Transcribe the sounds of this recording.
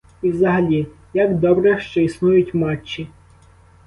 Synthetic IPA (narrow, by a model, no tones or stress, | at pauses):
iwzɐɦɐlʲi | jɐɡd̪ɔbɾɛʃt͡ʃɔisnujʊtʲmɑt͡ʃːi